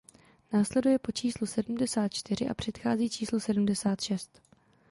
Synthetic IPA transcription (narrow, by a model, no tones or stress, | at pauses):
naːslɛdujɛpo̞t͡ʃiːslusɛdum̩dɛsaːt̪̚t͡ʃt̪ɪɾ̝ɪʔa̰pr̝̥ɛt̪xaːziːt͡ʃiːslusɛdumdɛsaːt̪ʃɛst̪